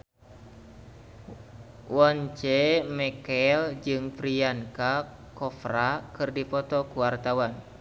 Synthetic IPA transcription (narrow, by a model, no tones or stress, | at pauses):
wɔɲt͡ʃɛmɛkɛld͡ʒɨŋfɾianka | kɔfrakɨrdifɔt̪ɔkuwart̪awan